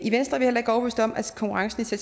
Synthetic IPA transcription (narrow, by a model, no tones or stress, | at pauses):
iʋensd̥ʁɐʋehelɐe̝ɡ̥ɒʊʋøsd̥ɒ̽mʔæ̥kʰɒ̽ŋkʰuʁɑ̈ŋsən̩it͡sʰe